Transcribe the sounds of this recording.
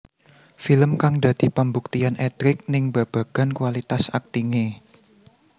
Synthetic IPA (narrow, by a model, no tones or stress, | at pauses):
filəmkaŋd̪ä̤d̪̥i̤pəmbuk̚t̪ianʔɛt̪ɾɪk̚nɪŋba̤b̥a̤ɡ̥a̤nkwalit̪asak̚t̪iŋe